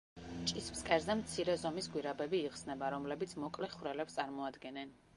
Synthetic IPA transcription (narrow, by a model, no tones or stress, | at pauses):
t͡ʃʼismskʼɛɾzɛmt̪sʰiɾɛzɔmisɡwiɾabɛbiːʁsnɛbaɾɔmlɛbit̪sʰmɔkʼlɛχwɾɛlɛpst̪ʼaɾmɔad̪ɡɛnɛn